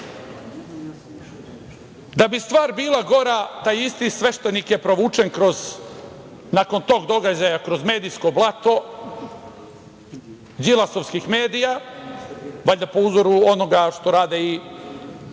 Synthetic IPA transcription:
d̪abist̪ʋaːɾbiːlˠaɡo̞ɾat̪aːjist̪isʋe̞ʃt̪e̞nikje̞pɾo̞ʋuːt͡ʂe̞nkɾo̞z | nako̞nt̪o̞ːɡd̪o̞ɡad͡ʑajakɾo̞zme̞ːd̪ijsko̞blˠat̪o̞ | d͡ʑilˠasoʋskixme̞ːd̪ija | ʋaʎʲd̪apo̞uzoɾuo̞no̞ɡaʂt̪o̞ɾaːd̪ei

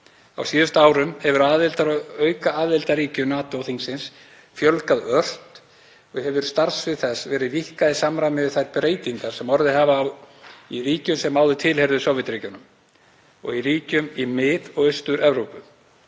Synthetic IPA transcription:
a̰wsiːðʏst̪aaːwɾʏmhɛvʏɾaðɪlt̪aɾœːɥkaaːðɪlt̪aɾiːcʏnaːt̪oθiŋsɪns | fjœlkaðœr̥t̪ | ɔɣhɛvʏɾ̥st̪aɾ̥svɪðθɛsvɛːɾɪðvihkaðɪsamɾamɪvɪθajt̪̚bɾeːjt̪iŋkaɾ̥sɛmɔɾðɪhavaːw | iriːcʏmsɛmːaːwðʏt̪ʰɪlhɛɾðʏsɔwvɪt̪ɾiːcʏnʏm | ɔ̰ɣiɾiːcʏmimɪðɔɣʏst̪ʏɾɛvɾowpʏ

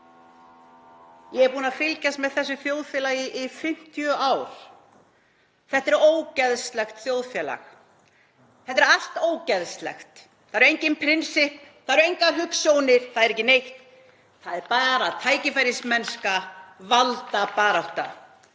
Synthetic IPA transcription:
jɛɣɛɾpuːnafɪlcast̪mɛðθɛsːʏθjoːwðfjɛːlaːjɪʔɪfɪm̥t̪jʏawɾ̥ | θɛht̪ɛɾoːwcɛðst̪lɛxt̪θjoːwðfjɛːla̰x | θɛht̪ːɛɾal̥t̪oːwcɛðst̪lɛ̰xt̪ | θaðɛɾejɲcɪnpʰɾɪnsɪhpθaðɾejŋkaɦʏksjoːwnɪɾ̥θaðɛɾɛhcːɪnejht̪ | θaðɛɾpaːɾat̪ʰaːjcɪfajɾɪsmɛnskavalt̪apaːɾawht̪a̰

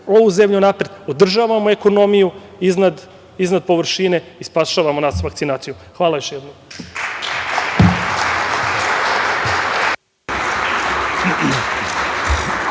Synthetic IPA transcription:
o̞ʋuze̞mʎunaːpɾe̞d̪od̪r̩ʒaʋamoe̞ko̞no̞miju | iznad̪ | iznad̪̚po̞ʋr̩ʃine̞ispaʃaʋamonasʋakt̪sinaːt̪sijuxʋaːlajo̞ʃjed̪nom

